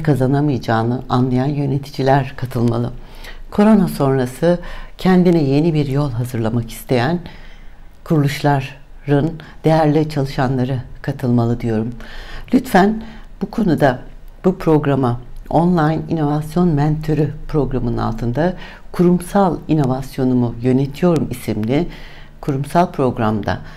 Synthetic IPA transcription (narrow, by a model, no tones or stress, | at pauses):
kʰazanamɯjd͡ʒaːnɯʔanlˠajanjø̞ne̞t̪ʰi̥d͡ʒilʲæɾkʰat̪ʰɯlˠmalˠɯ | kʰo̞ɾo̞naso̞nɾasɯcʰɛnd̪inɛje̞nibiɾjo̞lˠɦazɯɾlˠamaki̥st̪ʰe̞jæn | kʰuɾulˠuʃlˠaɾː | ɯnd̪̥e̞jæɾlʲit͡ʃʰalˠɯʃanlˠaɾɯkʰat̪ʰɯlˠmalˠɯd̪ijo̞ɾumlʲyt̪fæn | b̥ukʰo̞nud̪ab̥upʰɾo̞ɡɾamao̞nlˠajnḭno̞vasjo̞nmɛnt̪ʰøɾypɾo̞ɡɾamɯnɯna̰lˠt̪ʰɯnd̪a | kʰuɾumsalˠino̞vasjo̞numujø̞net̪ʰijo̞ɾumisimlʲi | kʰuɾumsalˠpʰɾo̞ɡɾamd̪a̰